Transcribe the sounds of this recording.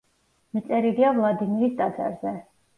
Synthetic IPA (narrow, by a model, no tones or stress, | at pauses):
mit̪sʼɛɾiɾiavlˠad̪imiɾist̪ʼad̪za̰ɾzɛ